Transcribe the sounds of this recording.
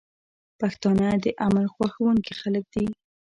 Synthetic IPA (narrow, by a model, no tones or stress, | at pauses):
paxt̪ɑnəd̪əʔamaɾxwaxawuŋkixalək̚d̪i